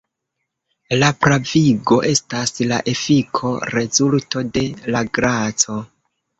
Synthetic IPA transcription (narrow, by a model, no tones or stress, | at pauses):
lapɾaviɡo̞ʔe̞stasla̰ʔe̞fikʰo̞̰ɾe̞zulto̞de̞laɡɾat͡so̞